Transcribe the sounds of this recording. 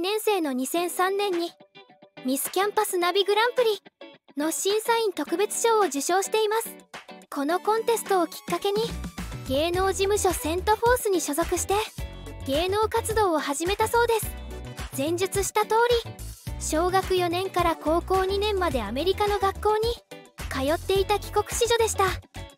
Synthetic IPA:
nẽ̞ɰ̃se̞ːno̞ɲ̟isẽ̞ɰ̃sãnːẽ̞ɲ̟ːi | mʲisɨ̥kʲãmpasɨnabʲiɡɯ̟ɾãmpɯ̟ɾʲino̞ɕĩɰ̃saĩnt̪o̞kɯ̟be̞t͡sɨ̥ɕo̞ːʑɨɕo̞ːɕi̥t̪e̞imasɨ̥kʰo̞no̞kõ̞nt̪e̞sɨ̥t̪o̞ːkʲi̥kːake̞ɲ̟iɡ̥e̞ːno̞ːd͡ʑimɯ̟ɕo̞sẽ̞nt̪o̞ɸo̞ːsɨɲ̟iɕo̞zo̞kɯ̟ɕi̥t̪e̞ɡ̥e̞ːno̞ːkat͡sɨd̪o̞ːhaʑime̞t̪aso̞ːd̪e̞sɨ̥d͡zẽ̞ɲ̟d͡ʑɨt͡sɨɕi̥t̪at̪o̞ːɾʲiɕo̞ːɡakɯ̟jo̞nẽ̞ŋkaɾako̞ːko̞ːɲ̟inẽ̞mːad̪e̞ame̞ɾʲikano̞ɡakːo̞ːɲ̟ikajo̞t̪ːe̞it̪akʲi̥ko̞kɯ̟̥ɕiʑo̞d̪e̞ɕi̥t̪a

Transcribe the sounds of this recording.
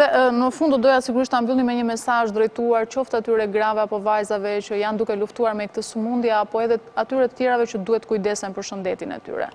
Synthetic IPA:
ðɛnəfund̪d̪ɔd̪ɔjasiɡuɾiʃt̪ambilˠimɛɲəmɛsaʒd̪ɾɛjt̪uaɾt͡ʃɔft̪at̪yɾɛɡɾavɛapɔvajzavɛt͡ɕəjand̪ukɛluft̪uaɾmɛkət̪əsumund̪jaːpɔɛðɛat̪yɾɛt̪ə̥t̪jɛɾavɛt͡ʃəd̪uhɛt̪ːəkujd̪ɛsɛnpəɾʃənd̪ɛt̪inɛ̰t̪y̰ɾɛ̰

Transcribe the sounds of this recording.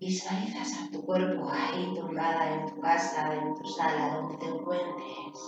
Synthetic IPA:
isaiθasat̪ukwe̞ɾpoait̪omɡaðaent̪ukasaent̪usalaðond̪et̪eŋkwent̪ɾes

